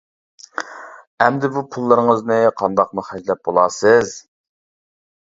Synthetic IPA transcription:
ɛmd̪ɪbupʰulˠːɨɾəŋəznɨqʰɑnd̪ɑq̚muχæd͡ʒlɛp̚bolˠɑːsɨz̥

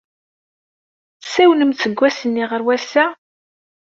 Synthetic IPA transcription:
sæwnəmt͡sːəɡʷːæsənːiʁəɾwæsæ

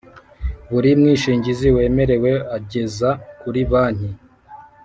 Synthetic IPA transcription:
βuɾimŋiːʃiːɲɟiziwe̞ːme̞ɾe̞we̞aɟe̞zakuɾiβaːn̥hi

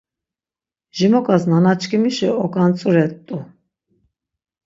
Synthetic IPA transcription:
ʒimɔkʼasnanat͡ʃʰʼkʰʼimiʃiɔkʼant͡sʼuɾɛt̪ʼːu

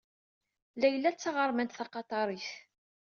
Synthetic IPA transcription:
lːæjəlːæt͡sːɑʁəɾˤmænt̪θɑqɑt̪ˤɑɾˤiθ

